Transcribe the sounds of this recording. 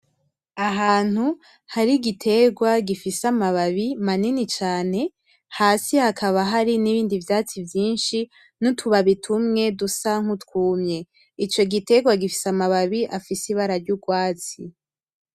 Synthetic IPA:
aɦaːn̥hu | haɾiɡitʰe̞ɡwaɡifisamaβaβimaninit͡ʃaːne̞ | haːsihakʰaβaɦaɾiniβiːndivjaːt͡sivjiːnʃi | nutʰuβaβitʰumŋe̞dusaŋ̥hutkuːmɲe̞ | it͡ʃo̞ɡite̞ɡwaɡifi̥samaβaβiʔafisiβaɾaɾɟuɡwaːt͡si

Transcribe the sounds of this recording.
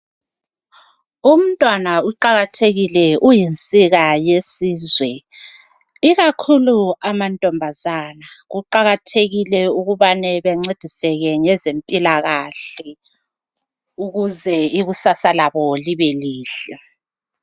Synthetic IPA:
um̩tʼwanauǃaɣatʰeɣilɛujint͡sʼiɣajesiːzwɛ | iɣakʰuluamantʼɔmbʱazanaɣuǃaɣatʰeɣilɛuɣuβanɛβeŋ͡ǀed̥ʱisɛɣɛɲɛzempʼilaɣaɬɛ | uɣuzɛiɣusasalaβɔliβeliːɬɛ

